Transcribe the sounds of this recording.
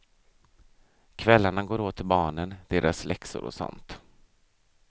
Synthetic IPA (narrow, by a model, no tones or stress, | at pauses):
kʰvɛlːaɳaɡoːɾoːt̪ʰːɪlbɑːɳənd̪̥eːɾʔaslɛksʊ̰ɾɔ̰sɔ̰nt̪